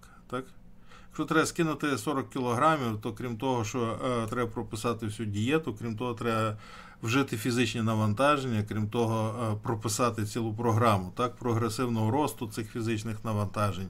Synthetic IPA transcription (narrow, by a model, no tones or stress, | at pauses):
k | t̪ɑkjɐkʃt͡ʃɔt̪ɾɛbɐskɪnʊt̪ɪsɔɾɔkːʲɪlˠɔɦɾɑmʲiwt̪ɔkɾʲimt̪ɔɦɔʃt͡ʃɔt̪ɾɛbɐpɾɔpɪsɑt̪ɪwsʲudʲijɛt̪ʊkɾʲimt̪ɔɦɔt̪ɾɛbɐ | wʒɪt̪ɪfʲizɪt͡ʃnʲinɐʋɐnt̪ɑʒenʲːɐkɾʲimt̪ɔɦɔpɾɔpɪsɑt̪ɪt͡sʲilˠʊp̬ɾɔɦɾɑmʊt̪ɑk̚pɾɔɦɾesɪwnɔɦɔɾɔst̪ʊt̪sɪxfʲizɪt͡ʃnɪxnɐʋɐnt̪ɑʒenʲ